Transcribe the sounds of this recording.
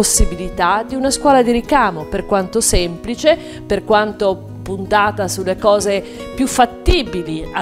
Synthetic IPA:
osːibilit̪ad̪iunaskwɔːlad̪iɾikaːmoperkwant̪osɛmplit͡ʃe | perkwant̪o | punt̪aːt̪asulːekɔːze | pjufːat̪ːiːbilia

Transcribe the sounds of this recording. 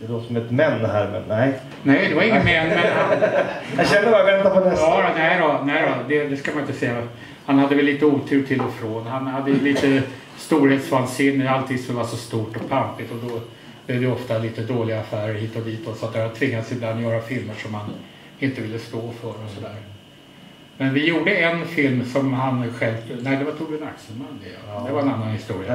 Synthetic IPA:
d̪ɛd̪ɔsɔmɛt̪mɛnːhæɾmɛ̰nnɛɪ | nɛɪd̪ɛvaɾɪŋːənmɛnːmɛhanhaɕɛnd̪əbɑɾavɛnt̪apʰɔnɛɑɾɔnɛɪɾɔnɛɪɾɔd̪ɛd̪ɛskamanɪnt̪əsɛjːa | hanhad̪ːəvɛlːiːt̪əuːt̪ʰʉ̟ːʈʰɪlːɔfɾoːnhanhad̪ːəjɵliːt̪ə | st̪uːɾheːt̪svansɪnːəalt̪ʰiːd̪sɔmvasɔst̪uːʈɔpʰampɪt̪ɔd̪ɔ | b̥lɛvd̪ɛɔft̪aliːt̪əd̪oːlɪɡaːfæːɾəɾhiːt̪ɔd̪iːt̪ɔsːat̪d̪ɛhad̪t̪ʰvɪŋːad̪sɪbland̪ɔjœːɾafɪlməʂɔmhan | ɪnt̪əvɪlːəst̪oːfœɾɔsɔd̪æːɾ | mɛnvɪjuːɖəɛnfɪlmsɔmhanɧɛlvnæɪd̪ɛvat̪ʰuːbɪnaksənmand̪d̪ɛvaɾɛnanːanhɪst̪uːɾɪa

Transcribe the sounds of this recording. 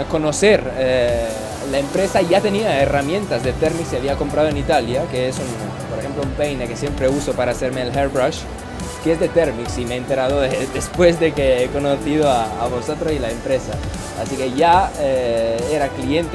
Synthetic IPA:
ko̞no̞seɾe | laempɾe̞saʝat̪e̞niaeramjẽ̞nt̪azðe̞t̪eɾmiksiaβiako̞mpɾað̞oenit̪aljakeesun | poɾexe̞mploumpejnekesje̞mpɾe̞uso̞paɾaːseɾmeːlxeɾbɾaʃ | keezðe̞t̪eɾmiksimeːnt̪e̞ɾaðoðed̪espwe̞zðekeeko̞noθiðoaːβosot̪ɾosilaempɾe̞saː | sike̞ʝaeeɾaklie̞nt̪

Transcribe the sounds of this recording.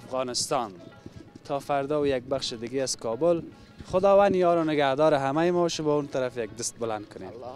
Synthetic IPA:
afɣɑːnɪst̪ɑnt̪ʰɑːfaɾd̪ɔːwjak̚baχʃed̪ɪɡeazkɑːbʊl | χʊd̪ɑːwand̪ijɒːɾɔnɪɡahd̪ɒːɾɪɦamajmɔʃɪbɔunt̪aɾafjaɡ̚d̪ɪst̪̚bʊland̪̚kʰʊnem

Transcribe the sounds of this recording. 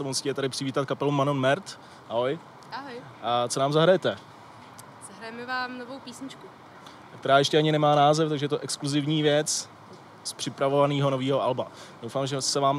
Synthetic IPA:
sɛmusɪ̥cːɛt̪adɪpr̥ɪviːt̪at̪̚kapɛlumanonmɛɾt̪ | aɦo̞j | aɦoj | ʔat͡sonaːmzaɦɾajɛt̪ɛ | z̥aɦɾajɛmɪvaːmnovowpiːsɲɪt͡ʃku | kt̪ɛɾaːjɛʃcɛaɲɪnɛmaːnaːzɛft̪aɡʒɛjɛt̪oʔɛkskluzɪvɲiːvjɛt͡s | spr̝̥ɪpɾavo̞vaniːɦo̞noviːɦo̞ʔalbadowfaːmʒɛsɛvaːm

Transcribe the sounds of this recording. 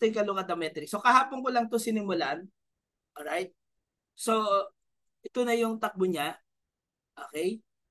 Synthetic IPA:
t̪ɛjkɐlokɐd̪ɐmɛt̪ɾɪksokɐɦaːpoŋkolɐŋt̪osɪnɪmʊlaʔn | ʔolɹajt̪̚ | so̞ | ʔɛt̪onɐjʊŋt̪ɐk̚boɲa | ʔoːkɛj

